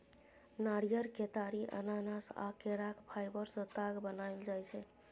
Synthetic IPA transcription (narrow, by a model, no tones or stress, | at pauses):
naɽijəɾket̪aɾiʔə̰nanasa̰keɾakpʰajbəɾsət̪aɡbənaɪld͡ʒajt͡ʃʰɛ